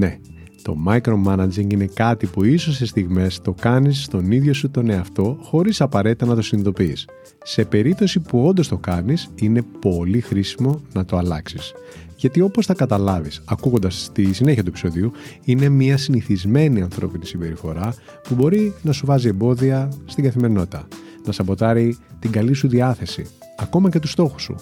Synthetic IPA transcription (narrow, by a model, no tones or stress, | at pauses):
ne̞ | t̪o̞̰mɐjkɾo̞mɐnɐd͡ʒiŋɡine̞kɐt̪ipuisosist̪iɣme̞st̪o̞kɐnisːt̪o̞niðʝo̞sut̪o̞neɐft̪o̞xo̞ɾisɐpɐɾe̞t̪it̪ɐnɐt̪o̞siniðo̞piːs | se̞pe̞ɾip̚t̪o̞sipuo̞nd̪o̞st̪o̞kɐnisine̞po̞lixɾisimo̞nɐt̪o̞ɐlɐksis | ʝɐt̪io̞po̞sθɐkɐt̪ɐlɐvisɐkuɣo̞nd̪ɐst̪isineçɐt̪ue̞pi̥so̞ðiuine̞mɲɐsiniθizme̞niɐnθɾo̞̰pinisimbe̞ɾifo̞ɾɐ | pubo̞ɾinɐsuvɐzie̞mbo̞ðiɐst̪iɡɐθime̞ɾino̞t̪i̥t̪ɐ | nɐsɐbo̞t̪ɐɾit̪iɡɐlisuðiɐθe̞sḭ | ɐko̞mɐce̞t̪ust̪o̞xu̥sṵ